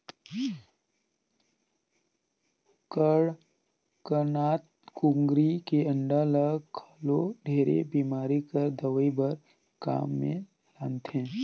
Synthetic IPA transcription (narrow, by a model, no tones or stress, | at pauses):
kəɽ | kəɾnaːt̪̚ | kũŋɡɾikeə̃ɳɖaːləɡkʰaːloɖʱeːɾḛbiːmaːɾikəɾd̪əʋəibəɾ | ka̰ːmːḛ̃ | laːnt̪ɛ̃ː